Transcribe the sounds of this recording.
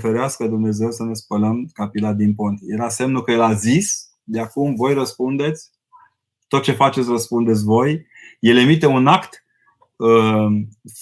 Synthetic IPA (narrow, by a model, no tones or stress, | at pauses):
feɾeaskəd̪umne̞ze̞wsəne̞spələmkapilad̪inpont̪je̞ɾase̞mnukəjelazis | d̪eakumvo̞jrəspund̪e̞t̪sʲ | t̪o̞t̪̚t͡ʃe̞fat͡ʃe̞t̪sʲrəspund̪et̪s̬ʲvo̞j | je̞le̞mit̪e̞unakt̪ | ə